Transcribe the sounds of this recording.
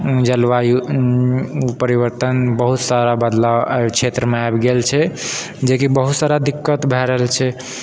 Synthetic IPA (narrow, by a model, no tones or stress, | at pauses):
d͡ʒəlʋaju | pəɾiʋəɾt̪ənbəɦut̪saɾabəd̪lakt͡ʃʰet̪ɾəmeajbɡelt͡ʃʰɛ | d͡ʒekibəɦut̪saɾad̪ikːət̪bʱɛɾəɦlt͡ʃʰɛ